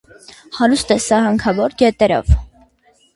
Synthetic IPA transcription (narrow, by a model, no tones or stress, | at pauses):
hɑɾust̪ɛsɑɦɑŋkʰɑvɔɾɡɛt̪ɛɾɔ̰v